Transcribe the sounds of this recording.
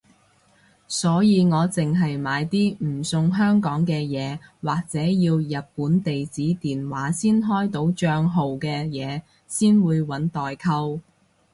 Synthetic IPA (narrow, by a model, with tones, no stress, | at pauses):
sɔː˨˥jiː˨˧ŋɔː˨˧t͡sɪ˨ŋɦɐ˨jmaː˨˧jt̪iː˥m̩˨˩sʊ˨ŋɦœː˥ŋkɔː˨˥ŋkɛː˧jɛː˨˧waː˨k̚t͡sɛː˨˥jiː˧wjɐ˨t̚puː˨˥nt̪e˨jt͡siː˨˥t̪iː˨˩nwaː˨˥siː˥nɦɔː˥jt̪o˨˥wt͡ʃœː˧ŋɦo˨wkɛː˧jɛː˨˧ | siː˥nwuː˨˧jwɐ˨˥nt̪ɔː˨jkʰɐ˥w